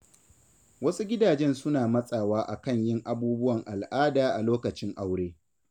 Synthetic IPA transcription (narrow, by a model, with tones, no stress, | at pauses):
wɐ˦su˦ɡʲɪ˦daː˨d͡ʒɛ˦nsʊ˦naː˨mɐ˦sʼaː˨waː˦ʔa˨kɐ˦˨ɲjɪ˦ŋʔa˨buː˦bʊ˦wɐ˨ŋʔa˨lʔaː˦daː˨ʔa˨loː˦kɐ˨t͡ʃɪ˦ŋʔa˦wɽeː˦